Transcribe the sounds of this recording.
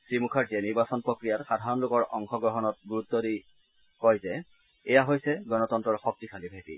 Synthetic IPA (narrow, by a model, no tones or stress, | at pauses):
sɹimukʰaɹzɛniɹbasɔnpɹɔkɹijatxadʱaɹɔnlʊkɔɹʔɔŋxɔɡɹɔɦɔnɔt̚ɡuɹutːɔdi | kɔjzɛ | ɛjaɦojsɛɡɔnɔtɔntɹɔɹxɔk̚tikʰalibʱapḭ